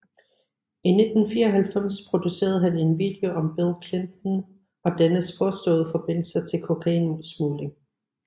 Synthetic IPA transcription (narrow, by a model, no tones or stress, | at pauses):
ine̝d̥n̩fiːɐɒɦælfem̰spʰʁo̝d̥use̝̰ːɐð̩ˠɦæne̝nʋḭːd̥eo̝ʔɒ̽mb̥elˠkʰlend̥n̩ | ɒ̽d̥ænəspʰɒ̽sd̥ɔ̰̽ːð̞̩ˠfɒ̽b̥e̝n̰l̩sɐt͡sʰe̝lkʰo̝kʰæinulsmuːli